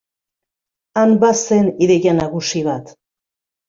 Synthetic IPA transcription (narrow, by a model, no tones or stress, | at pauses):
ambaseniðeɣʝanaɣusiβat̪